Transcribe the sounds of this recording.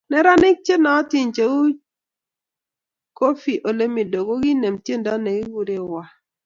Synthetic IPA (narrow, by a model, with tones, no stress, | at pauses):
nɛ˦ɾa˦nɪ˦k̚t͡ʃe˦na˨ɔ˦ti˨nt͡ʃe˨˦u˦ | ko˦fi˨ʔo˨le˦mi˨do˨ɡo˦ɡi˦ne˨mtje˦nda˦ne˨ɡi˦ɡu˨ɾe˦wa˨